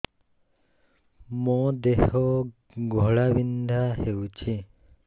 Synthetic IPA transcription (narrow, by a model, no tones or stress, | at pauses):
mɔ̃d̪ehɦɔ | ɡʱɔɭabind̪ʱaɦewt͡ʃʰi